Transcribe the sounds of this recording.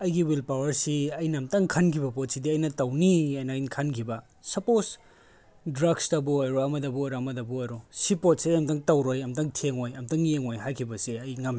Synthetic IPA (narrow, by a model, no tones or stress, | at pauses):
ɐjɡiwilpawɐɾsiɐjnɐmtɐŋkʰɐnkʰibɐpot̚sidiɐjnɐtɐwniɐjnɐjnkʰankʰibɐ | sɐpos | dɾaɡstɐbuojɾoɐmɐdɐbuojɾoɐmɐdɐbuojɾosipot̚siɐjɐmtɐŋtɐwɾojɐmtɐŋtʰeŋojɐmtɐŋjeŋojɦajkʰibɐseɐjŋɐm